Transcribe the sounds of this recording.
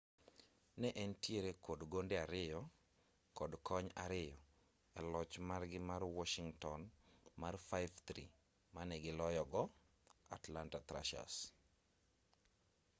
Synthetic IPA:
nɛʔɛntjeɾekodɡondeaɾɪjɔ | kɔdkɔɲa̰ɾɪjɔ | ɛlɔt͡ʃmarɡɪmarwɔʃiŋtɔnmarfaɪvt̪ɾḭ | manɛɡɪlɔjɔɡɔ | atlantat̪ɾa̰ʃa̰s

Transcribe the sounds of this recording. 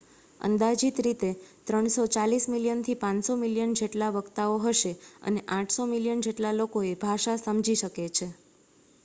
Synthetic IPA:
ə̰nd̪ad͡ʒit̪ɾit̪et̪ɾəɳsot͡ʃalismiljənt̪ʰipãnsomiljənd͡ʒeʈlaʋəɡt̪aoɦəʃeə̰neʔãʈʰsomiljənd͡ʒeʈlalokoebʱaʃasəmd͡ʒiʃəket͡ʃʰe

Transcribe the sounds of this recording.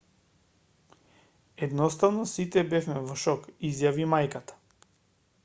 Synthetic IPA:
ɛd̪nɔst̪avnɔsit̪ɛbɛfmɛvɔʃɔkizjavimajkat̪ḁ

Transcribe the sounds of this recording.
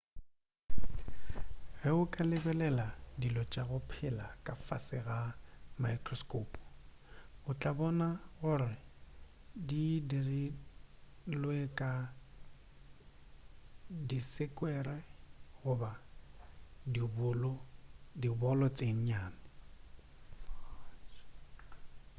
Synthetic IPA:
ɣɛʊkʼalɪbɛlɛladilɔt͡ʃʼaɣʊpʰɪlakʼafasɪɣamajkʰʼrɔskʼoːpʼ | ʊt͡ɬʼabɔnaɣʊrɪ | didiri | lwekʼa | disɪkʼwɛrɛɣʊba | diblɔdibɔlɔt͡sʼeŋ̩ɲaːnɪ

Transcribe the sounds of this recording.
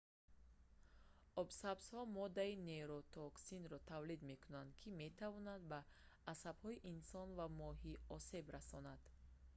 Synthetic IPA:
ɔbsabshɔmɔd̪aine̞ɾɔt̪ʰɔksinɾɔt̪ʰavlid̪me̞kʰunand̪kʰime̞t̪ʰavɔnad̪̚baː | sabhɔiʔinsɔnvamɔɦiɔse̞bɾasɔnad̪̥

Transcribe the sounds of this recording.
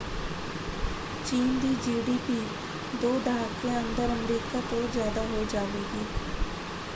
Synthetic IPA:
t͡ʃiːnd̪iːd͡ʒiːɖiːpiː | d̪oːd̪əɦaːkẽːənd̪əɾəmɾiːkaːt̪õːzjaːd̪aːɦod͡ʒaːʋeːɡiː

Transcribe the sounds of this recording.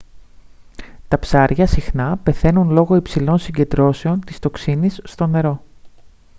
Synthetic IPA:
t̪ɐpsɐɾʝɐsixnɐpe̞θe̞nunlo̞ɣo̞ipsilo̞nsiɲɟe̞nd̪ɾo̞se̞o̞nt̪ist̪o̞ksinisːt̪o̞ne̞ɾo̞

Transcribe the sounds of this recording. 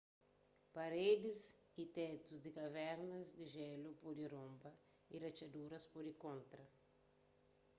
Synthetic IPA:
paɾed̪ɪsit̪ɛt̪uzd̪ikɐvɛɾnɐzd̪iʒɛlupod̪iɾõmbɐ | irɐt͡ʃɐd̪uɾɐspodikõnt̪ɾɐ

